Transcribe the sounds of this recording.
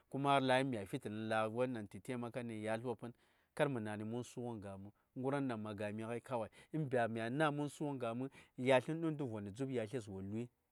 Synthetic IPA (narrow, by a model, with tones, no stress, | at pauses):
ku˦ma˦ɾla˨ji˦mʲ˨a˨fi˦ti˨ni˨la˨wa˦nːa˨nti˨te˦ma˦ka˦ni˨ja˨ɬa˦pɨ˦n | ka˦ɾmɨ˨na˨ni˨mu˦n˦su˦wo˦ŋɡa˨mɨ˨˦ɡu˦ɾa˦nː˦a˨ma˨ɡa˨mi˨ka˦i˦ka˦wa˨i˨i˦mbʲa˨m˨ja˨˦na˦mu˦n˦su˦wo˦ŋɡa˨mɨ˦ja˨ɬi˦n˦ɗu˦n˦du˦vʷo˨ni˨d͡zu˦bja˨ɬe˦s̬wo˨lu˦i˦